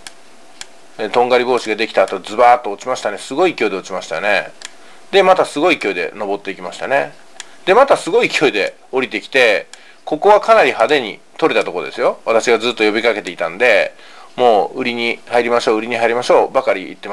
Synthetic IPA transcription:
et̪õ̞ŋɡaɾʲibo̞ːɕiɡad̪e̞kʲi̥t̪aːt̪o̞d͡zɨbaːt̪ːo̞ːt͡ɕimaɕi̥t̪ane̞sɨɡo̞ikʲo̞d̪e̞o̞t͡ɕimaɕi̥t̪ane̞̰ | d̪e̞mat̪asɨɡo̞ikʲo̞id̪e̞̰no̞bo̞t̪ːe̞ikʲimaɕi̥t̪ane̞ | d̪̥e̞mat̪asɨɡo̞ikʲʰo̞id̪e̞ | o̞ɾʲit̪e̞kʲi̥t̪e̞ | ko̞ko̞β̞akanaɾʲihad̪e̞ɲ̟ḭ | t̪oɾe̞t̪at̪o̞kod̪e̞̰sɨjo̞βat̪aɕiβad͡zɨːt̪ːojo̞bʲikake̞t̪e̞it̪ãnd̪e̞ | mo̞ːɯ̟ɾʲiɲ̟ihaiɾʲimaɕo̞ːɯ̟ɾʲiɲ̟iɦaiɾʲimaɕo̞ːbakaɾʲiːḭt̪ːe̞m

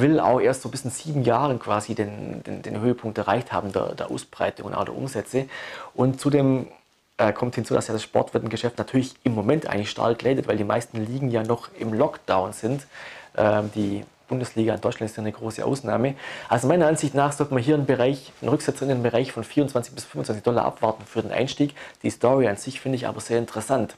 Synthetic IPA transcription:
vɪla̰ʊxʔeːɐstz̥oːbɪsnz̥iːbm̩jaːʁənkv̥aːzideːnd̥ḛːnd̥ḛːnɦøːəpʰʊŋktɛɐaɪçtha̰ːbm̩dḛɐdeːɐʔa̰ʊsb̥ʁa̰ɪtʊŋ̰nʔa̰dḛɐʔʊ̰mzɛt͡səʔʊntt͡suːdeːm | ʔɛːkʰɔmthɪnt͡suːdasjaːdasʃpɔ̰ɐtv̥ɪɐtɪmɡəʃɛftnatʰyːɐlɪçɪmːomɛntʔa̰ɪɡŋ̩lɪçʃta̰ːlɡ̥lɛɪdətvaɪldiːma̰ɪstn̩liːɡŋ̩jaːnɔχɪmlɔkd̥aʊnz̥ɪntʔɛːmd̥iːb̥ʊndəsliːɡaɪndɔʏt͡ʃlantɪsthaːɐnəɡʁoːsə̰ʔa̰ʊsnaːməʔalzomaɪnɐanz̥ɪçtnaːχz̥ɔltəmaɦiːɐənbəʁaɪçnʁʏksɛt͡sɪnmbəʁaɪçfɔnfiːʁʊnt͡sv̥ant͡sɪçb̥ɪsfʏnfʊnt͡sv̥ant͡sɪçd̥ɔla̰ːʔa̰pv̥aɐtn̩fyːɐdenʔa̰ɪnʃtiːkd̥iːstɔʁianz̥ɪçfɪndəɪça̰ːbɐz̥eːɐɪntʰəʁɛsant

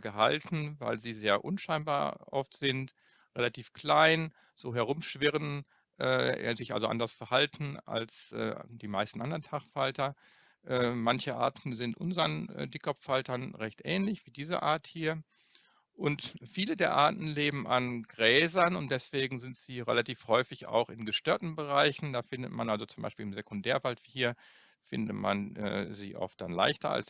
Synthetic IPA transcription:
ɡəɦa̰ltn̩va̰ɪlziːzeːɐʔʊnʃaɪnba̰ːɐʔɔftz̥ɪnt | ʁelatʰiːfkl̥aɪn | z̥oːɦɛɐʁʊmʃv̥ɪʁən | ʔɛ̰ːzɪçʔa̰lzo̰ʔa̰ndɐsfɛɐhaltn̩a̰lsʔɛ̰ːd̥iːmaɪstn̩ʔandɐʁɐntʰaχfaltɐ | ʔɛːmançəʔa̰ːɐtn̩zɪntʔʊ̰nzɐənɛ̰dɪkɔpfaltɐnʁɛçtʔɛːnlɪçv̥iːdiːzə̰ʔa̰ːɐthiːɐ | ʔʊntfiːlədeːɐʔaːɐtn̩leːbm̩ʔa̰nɡʁɛːzɐnʊnt̚d̥ɛsv̥eːɡŋ̩zɪntz̥iːʁḛlatiːfhɔʏfɪça̰ʊxɪnɡəʃtøːɐtn̩bəʁaɪçn̩daːfɪndətmanʔalzot͡sʊmba̰ɪʃpiːlɪmzekʊndɛːɐvaltv̥iːhiːɐ | fɪ̰ndətma̰nʔɛ̰ːzḭːʔɔ̰ft̚d̥anla̰ɪçtɐ̰a̰ls

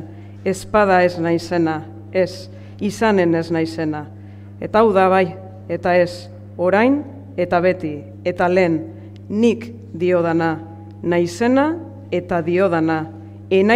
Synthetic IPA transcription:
e̞spað̞ae̞znajse̞na | e̞s | isane̞ne̞znajse̞na | e̞t̪aːwðaβ̞aj | e̞t̪ae̞s | o̞ɾajn | e̞t̪aβ̞e̞t̪i | e̞t̪ale̞ːnː | ik | d̪io̞ð̞ana | najse̞na | e̞t̪aðio̞ð̞ana | ena

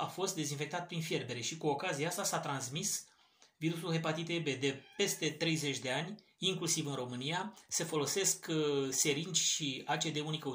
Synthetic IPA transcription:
afo̞st̪̚d̪e̞zinfe̞k̚t̪at̪̚pɾinfje̞ɾbe̞ɾe̞ʃikuo̞kaziaast̪asat̪ɾansmis | viɾusulɦe̞pat̪it̪ebe̞d̪e̞pe̞st̪e̞t̪ɾe̞jze̞t͡ʃʲd̪e̞anʲ | iŋklusivɨnro̞mɨnijasefo̞lo̞se̞skse̞ɾint͡ʃʲʃiat͡ʃe̞d̪e̞unikə

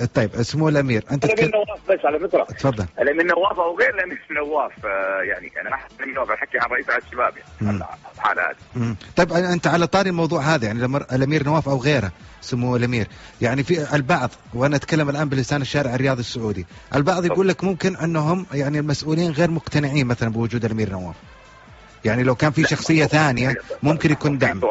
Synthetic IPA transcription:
t̪ˤːɑjːɪbʔɪsmːuːɪlʔamiːɾʔɪnt̪anawaːfbasʕalafɪt̪ɾˤɑ̰t̪fɑðˤːɑllmɪnːawːaːfʔawɣeːɾlmɪnːawːaːfjaʕnḭʔa̰namaħanamnawaːfalħakːiʕanˤɑʔiːsʕalʃːaba̰ːbja̰ʕ̰ħa̰ːlha̰ːd̪imt̪ˤɑjːbʔɪnt̪aʕalat̪ˤɑːɾilmɑwðˤuːʕɦaːðajaʕnilmːɾʔalʔamiːɾnawːaːfʔawɣeːɾhasʊmːualʔamiːɾjaʕnifiʔalbɑʕðˤwʔanaʔat̪kalːamalʔaːnbɪlɪsaːnɪʃːaːɾɪʕɪrːɪjɑːðˤɑsːʊʕuːd̪iʔalbɑʕðˤjɡuːlːakmʊmkɪnʔɪnːɦʊmjaʕnilmasʔuːliːnɣeːɾmʊqt̪anɪʕiːnmaθalanbɪwʊd͡ʒuːd̪alʔamiːɾnawa̰ːf | jaʕnilawkaːnfiʃɑxsˤɨjːaθaːnɪjamʊmkɪnjakuːnd̪aʕm

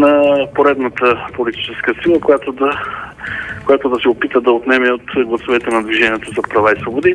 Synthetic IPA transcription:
nɐpoɾɛd̪nət̪əpolit̪i̥t͡ʃɛskəsilˠəkojat̪od̪ɐ | kojat̪od̪ɐsɛopit̪əd̪ɐot̪nɛmɛot̪ɡlˠɐsovɛt̪ɛnɐd̪viʒɛniɛt̪ozɐpɾɐvaisvobod̪i

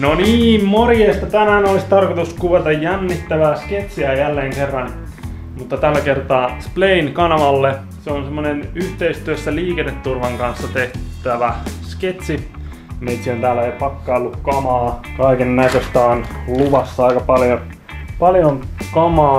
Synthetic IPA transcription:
noniːmmorjeːst̪ɑt̪ænænolist̪ɑrkot̪uskuʋet̪ɑjjænːit̪ːæʋæːsket̪siæjælːeːŋkerːɑn | mut̪ːɑt̪ælːækert̪ɑːspleinkɑnɑʋɑlːe | seonsemːonenyht̪eist̪yøsːæliːkenːet̪ːurʋɑŋkɑnsːɑt̪eht̪æʋæsket̪si | meit̪siont̪æːlːæeˑjopɑkːɑolːukkɑmɑːkɑikenːæisøst̪ɑːnluʋɑsːɑɑikɑpɑljon | pɑljoŋkɑmɑː

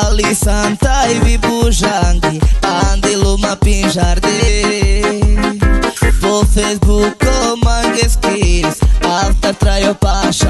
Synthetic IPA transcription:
alisɐnt̪ajvibuʒaŋɡiand̪elumɐpĩʒaɾd̪e | pofesbukomɐŋɡeskiɾisaft̪aɾt̪ɾajopaʃ

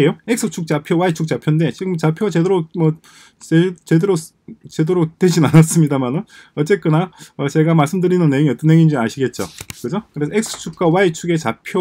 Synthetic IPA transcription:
ejoek̚sʰɯt͡ɕʰuk̚t͡ɕ͈apʰjowait͡ɕʰuk̚t͡ɕapʰjonde̞t͡ɕiɡɯmt͡ɕapʰjot͡ɕe̞doɾomʌ | et͡ɕedeɾo | t͡ɕedoɾotwe̞d͡ʑinanas͈ɯmɲidamanɯnʌt͡ɕ͈e̞k͈ɯnaʌt͡ɕe̞ɡamaɭs͈ɯmdɯɾinɯnːejoŋiʌt͈ʌnɦeŋind͡ʑiaɕʰiɡe̞t̚t͡ɕ͈o̰kɯd͡ʑokɯɾe̞sʰʌeksʰɯ̥t͡ɕʰuk̚k͈wawait͡ɕʰuɡe̞t͡ɕapʰjo

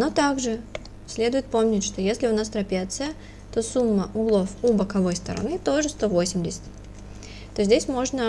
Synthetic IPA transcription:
no̞t̪aɡʐɨ | sʲlʲe̞d̪ʊjɪt̪̚po̞mnʲɪtʲʂt̪o̞jesʲlʲɪʊnast̪ɾɐpʲat̪sɨjə | t̪o̞sumːəʔʊɡlˠo̞fubəkɐvo̞jst̪əɾɐ̰nɨt̪o̞ʐɨst̪o̞vo̞sʲɪmʲdʲɪsʲɪ̥tʲ | t̪ozʲdʲesʲmo̞ʐnə

